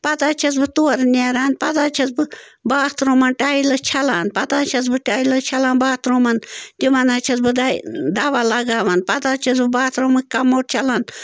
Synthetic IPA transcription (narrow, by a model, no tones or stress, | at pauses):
pɐt̪aːt͡ʃʰɐs̬bɨt̪uɐɾneɾaːnpɐt̪aːt͡ʃʰɐsbɨbaːt̪ɾomɐnʈaːilɐt͡ʃʰɐlaːnpɐt̪aːt͡ʃʰɐsbɨʈaːilɐt͡ʃʰɐlaːnbaːt̪ɾoːmɐnt̪imɐnaːt͡ʃʰɐsbɨd̪ad̪aːʋalɐɡaːʋɐnpɐt̪aːt͡ʃʰɐsbɨbaːt̪ɾomɨkʲkɐmːoːʈ̚t͡ʃʰɐlaːn